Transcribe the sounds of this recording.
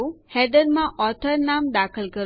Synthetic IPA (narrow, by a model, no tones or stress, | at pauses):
uhɛɖ̪əɾmãʔɔt̪ʰəɾnamd̪akʰəlkəɾ